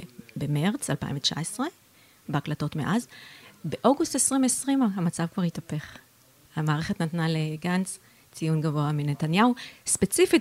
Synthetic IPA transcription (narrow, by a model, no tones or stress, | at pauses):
bemeʁt͡salpa̰jḭmvet͡ʃa̰esʁe̞ | beaklato̞tmeʔazbeʔoɡustesʁimesʁimaɦamat͡savkvaʁhitape̞χ | hamaːʁeχetnatnaleɡant͡s | t͡sijunɡavo̞aminetanjauspet͡sifit